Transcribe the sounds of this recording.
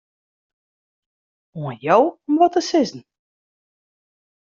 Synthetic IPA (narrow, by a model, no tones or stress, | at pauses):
uənjɔwɔmʋɔtəsɪzn̩